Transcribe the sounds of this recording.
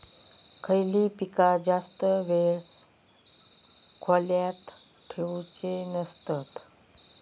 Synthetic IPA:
kʰəjlipikad͡zast̪əʋeɭ | kʰoljat̪ʈʰewt͡ɕenəst̪at̪

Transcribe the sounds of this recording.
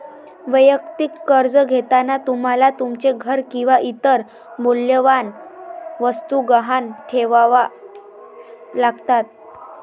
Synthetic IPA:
ʋəjəkt̪ikːəɾd͡zəɡʱet̪anat̪um̤alat̪umt͡ɕeɡʱəɾkĩw̃ʋaʔit̪əɾ | moljəʋanʋəst̪uɡaɦanʈʰeʋaʋa | laɡt̪at̪̚

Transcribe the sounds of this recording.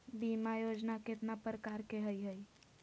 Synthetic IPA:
bimajod͡ʒnaket̪napəɾkaɾkeɦəjɦəj

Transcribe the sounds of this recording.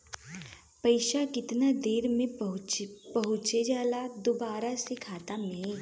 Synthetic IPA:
pɐɪʃakɪt̪nad̪eːɾmẽɦpɐɦʊt͡ʃed͡ʒaːlad̪ʊbaːɾasekʰaːt̪amẽẽ

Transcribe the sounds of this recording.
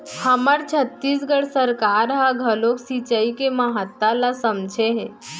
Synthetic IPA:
həməɾt͡ɕʰət̪ːiːs̬ɡəɽsəɾkaɾɦaɡʱəloksit͡ʃəikeməɦət̪ːalasəmd͡ʒʱeɦe

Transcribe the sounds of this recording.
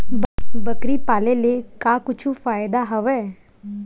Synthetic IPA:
bəkɾipaːlelekaːkʊt͡ʃʰufaːjd̪aɦɐʋɛː

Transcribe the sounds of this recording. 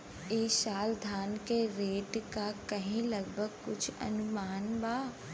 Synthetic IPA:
eːʃaːld̪ʱaːnkeɾeːʈkakɐɦĩlɐɡbʱəɡkʊt͡ʃʰɐ̰nʊmaːnbaː

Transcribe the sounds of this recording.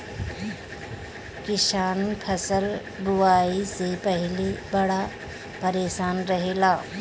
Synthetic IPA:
kɪʃaːnpʰəsəl | ɡʊʋaːisepɐɦɪlibɐɽa | pɐɾeːsaːnɾɐɦeːlaː

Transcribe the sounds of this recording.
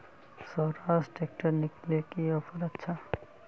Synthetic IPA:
sɔːɾaːzʈeːk̚ʈəɾnɪklekiɔpʰəɾətːʃʰa

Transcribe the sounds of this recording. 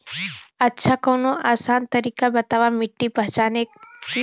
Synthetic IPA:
ətːʃʰakoːnoʔaːsaːnt̪əɾiːkabɐt̪aːʋamɪʈːipɐɦt͡ʃaːne

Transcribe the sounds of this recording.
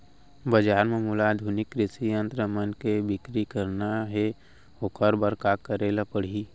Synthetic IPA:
bəd͡ʒaːɾmemʊlaːd̪ʱunɪkːɾɪsiə̃nt̪ɾəmənkebɪkɾikəɾnaɦɛ | okəɾbəɾkaːkːəɾeːlapəɽ̤i

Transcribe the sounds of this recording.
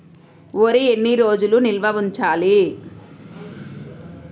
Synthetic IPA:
oɾienːiɾo̞ːd͡ʒulunilʋɐʋuɲt͡ʃaːli

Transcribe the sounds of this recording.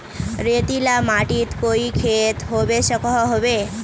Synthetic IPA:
ɾet̪ilamaʈit̪koikʰet̪ɦoʋeʃəkɔɦoʋe

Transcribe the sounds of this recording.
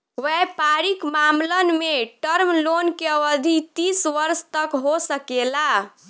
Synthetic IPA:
ʋɛpaɾikmamlənmeʈəɾmlonkeəʋəd̪ʱit̪isʋəɾst̪əkɦosəkela

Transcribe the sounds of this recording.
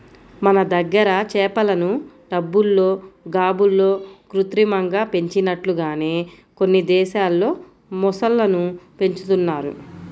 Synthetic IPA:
mɐnɐd̪ɐɡːɐɾɐt͡ʃɛːpɐlɐnu | ɖɐbːulːo̞ːɡaːbulːo̞ːkɾut̪ɾimɐŋɡaːpe̞ɲt͡ʃinɐʈluɡaːneː | ko̞nːid̪ɛːʃaːlːo̞ː | mɔsɐlːɐnupe̞ɲt͡ʃu̥t̪unːaːɾṵ

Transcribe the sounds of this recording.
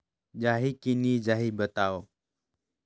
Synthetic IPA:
d͡ʒaːɦiːkiniːd͡ʒaːɦiːbət̪aːoː

